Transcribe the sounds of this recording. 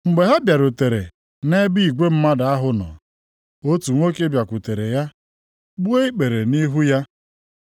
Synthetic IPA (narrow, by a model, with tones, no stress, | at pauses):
ŋ͡m̩˨ɡ͡be˨ɦa˦bja˨ɾo˨te˨ɾḛ˨ | ne˦bi˦i˨ɡʷe˦m̩˦ma˦da˨a˦ɦʊ˨nɔ̰˨ | o˦tu˨ŋʷo˦ke˦bja˨kʷʊ˨te˨ɾe˨ja˦ | ɡ͡bu˦e˦i˦k͡pe˨ɾe˨ni˦ɦu˦ja˦